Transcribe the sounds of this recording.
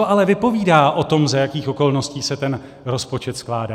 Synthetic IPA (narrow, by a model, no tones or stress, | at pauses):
oʔalɛvɪpo̞viːdaːʔo̞t̪o̞mzajakiːxʔo̞ko̞lno̞sciːsɛt̪ɛn | ɾo̞spo̞t͡ʃɛt̪sklaːdaː